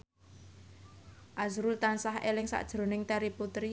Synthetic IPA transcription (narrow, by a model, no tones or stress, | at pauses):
ʔazɾult̪ansaɦelɪŋsa̰ʔd̥ʒ̥ɾo̤nɪŋt̪aɾiput̪ɾi